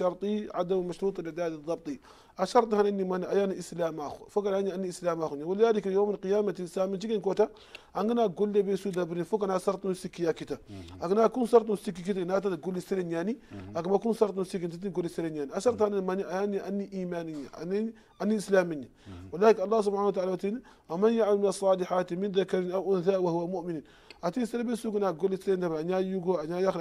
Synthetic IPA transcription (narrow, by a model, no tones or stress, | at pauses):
ʃaɾt̪iʕadammaʃɾuːt̪lidaːdid̪ɑb̚t̪ˤi | aʃɐɾt̪ˤihananimaniajaniislaːmaxufokanaɲianːiislaːmaxuɲawaladikijomaqijaːmatislaːmit͡ʃikenkota | aŋɡinaɡolːebesudabɾnifokanaːsaɾt̪unsikːijakitaaɡinaːkunsaɾt̪̬unsik̬ːik̬it̬ainat̬aɡolːiseɾeɲaniakamakunsaɾt̬usikːint̬it̬iɡolːiseɾeɲaniaʃaɾt̬animaniajanːiʔanːiʔiːmaniɲa̰a̰ni | anːiislaːmiɲawalaːkalˤːaːs̬ubħanat̬aaːlawatini | wamanjaʕmalminasˤːɑːliħatimindakaɾinaʔunθaːwahuwamuʔminin | atisaɾebesuɡinaɡolːiseɾendabaɲajuɡoaɲajax